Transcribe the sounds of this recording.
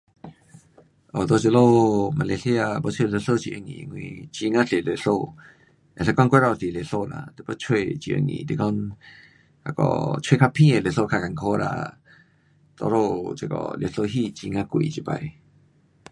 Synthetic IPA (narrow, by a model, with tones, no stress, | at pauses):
ʔo˨d̪o˧t͡ʃə˧˨lo˦˨ma˧le˧ɬi˦a˧bo˦t͡ʃʰwe˧˨le˧˨ɬo˦˨t͡ʃḭ˨ʔə˧˨ŋḭ̃˨˧ŋwḭ̃˧˨t͡ʃi˧ŋã˦t͡ɬe˨le˧˨ɬo˧ | ʔɛ̃˨ɬə˧˦kɔ˦˧ŋkʷe˦ɾɔ˧˨˧ɬi˨le˨ɬo˧˨nã̰˧˨t̪ɛ˨bə˦t͡ʃʰwe˧˨t͡ʃi˨ʔə̰˧ŋḭ̃˨t̪i˧˨kɔ˦n | a˧˨kɔ̰˨t͡ʃʰwe˧kʰa˧pʰĩ˦˨e˨le˨ɬo˧˨kʰa˧ka˨ŋkʰo˧˦ɾa̰˧ | t̪o˧ɾo˧˨t͡ʃe˧kɔ̰˧˨lje˧˨ɬo˧˨ɦi˦˨t͡ʃi˧ŋã˧kʷḭ˨t͡ʃi˧˨ba˧j